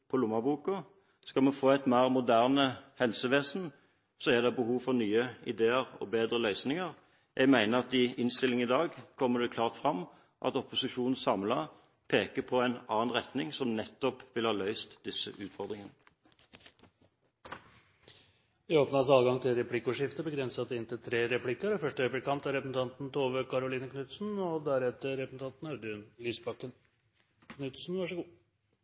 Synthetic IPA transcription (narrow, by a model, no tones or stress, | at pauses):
pʰɔlʊmːɑbuːkʊ | skɑlmɛfoːæɪt̪mæːʁmʊd̪æʁnəhɛlsəʋeːsn̩ | sɔɛd̪ɛbəhuːʋfɔʁnyːəɪd̪eːəʁɔ̰beːd̪ʁəlœʏsnɪŋəʁ | jʔæɡmæɪnəɑt̪ɪɪnst̪ɪlɪŋɪd̪ɑːɡkʰɔmːəd̪ɛkʰlɑːʁt̪fʁɑmː | ʔɑ̰t̪ɔpʊsɪʂuːnn̩sɑmlɑ | pʰeːkəpʰɔæɪnɑːnʁɛt̪nɪŋsɔmnɛt̪ːɔpʋɪlhɑːlœʏst̪d̪ɪsə̰ʔʉːt̪fɔʁd̪ʁɪŋənə | ʋɪoːpnəɑs̬ɑːlɡɑŋt̪ʰɪlɾɛpʰlɪkːʊʂɪft̪əbəɡɾɛnsət̪ɪnt̪ɪlt̪ʰɾeːɾɛpʰlɪkːəɾɔfœʂʈəøːpəɾkɑmpt̪æɾɛpɾəsn̩t̪ʰɑnt̪nt̪ʰoːʋəkʰɑɾʊliːnəknʉt̪sn̩ɔd̪æɾɛt̪əɾɛpəsn̩t̪ɑnt̪n̩œd̪ɪnlyːsbɑkːən | knʉt̪sn̩ʋɑʂəɡuː